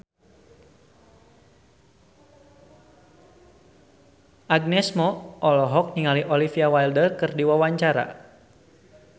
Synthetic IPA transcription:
ʔaɡ̚nɛsmɔʔɔlɔɦɔk̚niŋaliʔɔlifiawajldərkɨrdiwawaɲt͡ʃaɾa̰

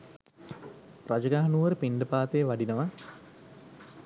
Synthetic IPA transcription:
rad͡ʒəɡaɦɐnuːʋəɾəpiɳɖəpaːt̪eːʋaɖinəʋa

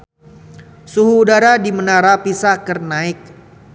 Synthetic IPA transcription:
suɦuːdaɾadimənaɾapisakərnaɪk̚

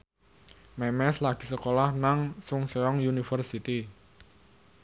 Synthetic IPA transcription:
mɛmɛslaɡ̥i̤səkolahnaŋsʊŋseɔŋjunifərsit̪i

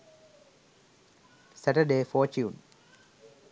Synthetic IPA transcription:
sæʈəɖeːfɔːt͡ʃuːn

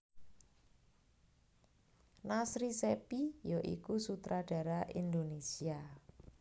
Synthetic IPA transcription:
nasɾisepijoʔḭkusut̪ɾʔaɖ̥a̤ɾaʔḭnd̪onesia

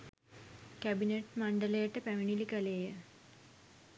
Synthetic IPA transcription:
kæbineʈmaɳɖəlejəʈəpæminilikəleːjə

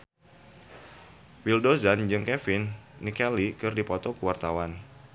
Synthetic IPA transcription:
wildozand͡ʒɨŋkɛfɪnːikɛlikɨrdipɔt̪ɔkuwart̪awan

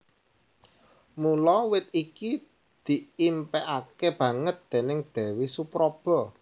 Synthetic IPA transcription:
mulɔwɪt̪̚iki | d̪̥i̤impɛʔakeb̥ä̤ŋət̪̚d̪̥e̤nɪŋd̪̥e̤wisupɾob̥ɔ̤

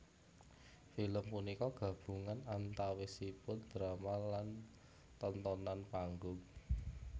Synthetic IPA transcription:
filəmpunikɔɡ̥ä̤b̥ṳŋanant̪awesipʊnd̪̥ɾamalan | t̪ɔnt̪ɔnanpaŋɡʊŋ

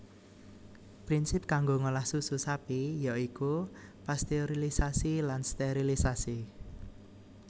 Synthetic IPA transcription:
pɾinsɪp̚kaŋɡoŋolahsususapijaikupast̪eoɾilisasilanst̪eoɾilisasi

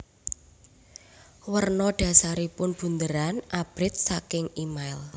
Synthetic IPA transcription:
wərnɔɖ̥ä̤saɾipʊnb̥ṳnd̪əɾanʔab̥ɾɪt̪̚sakɪŋimaɪl

